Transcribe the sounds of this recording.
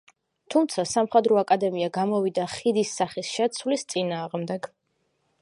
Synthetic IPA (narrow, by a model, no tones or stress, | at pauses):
t̪ʰumt̪sʰasamχɛd̪ɾɔakʼad̪ɛmiaɡamɔvid̪aχid̪isːaχisʃɛt̪sʰwlist̪sʼinaːʁmd̪ɛɡ